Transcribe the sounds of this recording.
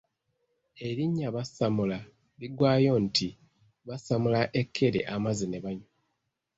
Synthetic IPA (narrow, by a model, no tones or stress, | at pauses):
e̞ɾiɲːaβasamula | liɡwaːjo̞ntʰi | βasamulaʔe̞kʰːe̞ɾḛʔamazineβaɲo